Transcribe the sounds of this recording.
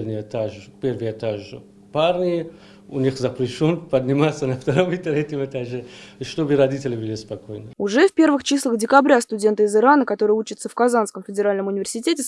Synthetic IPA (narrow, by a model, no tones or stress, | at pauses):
lʲnʲɪjɛt̪aʐpʲervɨjɛt̪aʐɨ | parnʲɪj | ʊnʲixzɐpɾʲɪʃonpɐd̪ʲnʲɪmat̪sːənɐft̪ɐɾomɪt̪ɾɛtʲɪmɛt̪aʒɛʂt̪obɨɾɐdʲitʲɪlʲɪbɨlʲɪspɐkojnɨʊʐɛfpʲe̞rvɨxt͡ɕislˠəxdʲɪkɐbɾʲast̪ʊdʲe̞nt̪ɨɪzɨɾanəkɐt̪o̞ɾɨjəut͡ɕɪt̪səfkɐzanskəmfʲɪdʲɪɾalʲnəmʊnʲɪvʲɪrsʲɪtʲetʲɪs